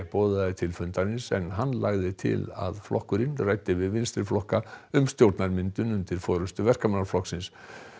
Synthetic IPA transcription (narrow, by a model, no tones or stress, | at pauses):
pɔːðaɪt̪ʰɪlfʏnt̪anɪnsɛnːɦanːlaɣðɪt̪ʰɪ̰la̰ðflɔhkʏɾɪnraːjt̪ɪvɪðvɪnst̪ɾɪflɔhkaʏmst̪jowɾt̪naɾmɪnt̪ʏnʏnt̪ɪɾ̥fɔːɾʏst̪ʏvɛr̥kamanaɾflɔhksɪns